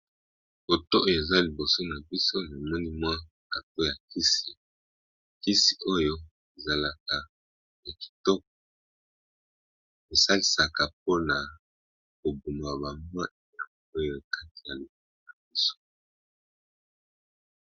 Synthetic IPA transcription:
o˨to˦o˦jo˨e˨za˦li˨bo˨so˦na˨bi˦so˦na˨mɔ˦ni˦mwa˦ | a˨to˦ja˨ki˦si˨ | ki˦si˨ʔo˦jo˦ | e˨za˨la˨ka˨ | na˨ki̥˨tɔ˦k̚ɔ˨ | e˨sa˦li˦sa˨ka˨p̚o˦na˨ | ko˨bu˨ma˨ba˨mwa˦˨ja˨ | o˦jo˦ka˦ti̥˨ja˨li˨bo˨so˦na˨bi˦so̥˦

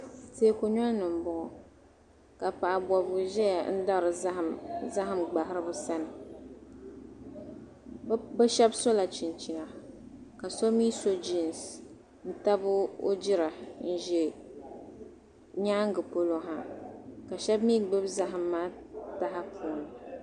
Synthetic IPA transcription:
te˦ko˦ɲɔ˦nɨ˨m̩˨bʊ˨ʔʊ˨ | ka˨pa˨a˨bɔ˨bʊ˨ʒɛ˦ja˨˦n̩˦da˦˨ɾɨ˨˦za˦ɦɨ˦mɡ͡ba˨ɦɪ˦ɾɨ˦bʊ˦sa˦nɨ˨ | ba˦ʃɛ˦bso˦la˨t͡ʃi˨nt͡ʃi˨na˨ka˨so˦mi˦so˦d͡ʒi˦˨n˨s | n̩˦ta˦bʊ˦o̰˦d͡ʒɪ˦ɾa˨n̩˦ʒɛ˨ | ɲaː˦ŋ˦ɡɨ˨po˦lo˦ŋɦa˨ka˨ʃɛ˦bmiː˦˨ɡ͡bɨ˦bza˦ɦɨ˨mːaː˦ta˦ɦa˦pʰuː˨nɨ˨

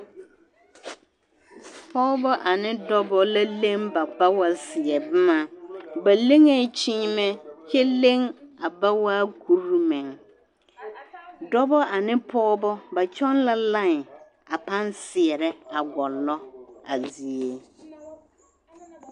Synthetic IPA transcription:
pʰɔː˦bɔ˦ʔa˨nɪ˦dɔ˦bɔ˦la˦le˦ŋba˨ba˦wa˨sɪ˨ɛ˨bɪ˦ma˨ba˨le˦ŋe˦t͡ʃiː˦mɛ˦t͡ʃɛ˦le˦ŋa˨ba˦waː˦ku˦ɾu˦mɛ˨ŋ | dɔ˦bɔ˦ʔa˨nɪ˦pʰɔː˦bɔ˦ba˨t͡ʃɔ˦nla˦la˦˨ŋ˨ | a˨pa˦nsɪ˨ɛ˨ɾɛ˦a˨ɡɔ˨lːɔ˦a˨zi˨e˦

